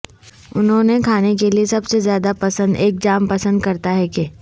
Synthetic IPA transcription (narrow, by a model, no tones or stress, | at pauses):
ʊnɦõnekʰaːnek̬eliesɐbsezjaːd̪apɐsə̃nd̪eːk̚d͡ʒaːmpɐsə̃nd̪kɐɾt̪aɦɛke